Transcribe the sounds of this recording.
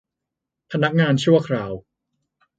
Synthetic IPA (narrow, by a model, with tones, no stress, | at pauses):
pʰa˧na˦˥k̚ŋaː˧nt͡ɕʰu˥˩ɐkʰɾaː˧˩˦w